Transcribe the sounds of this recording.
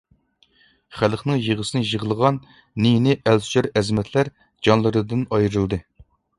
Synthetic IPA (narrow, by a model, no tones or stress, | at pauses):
χælˠχnɨŋjəʁəsɨnɨjəʁəlˠəʁɑnː | ijnɪʔælst͡ʃøɾɛzmɛt̪ʰlæɾ | d͡ʒɑnlˠɨɾɨd̪ɨnɑjɾɨlˠd̪ɨ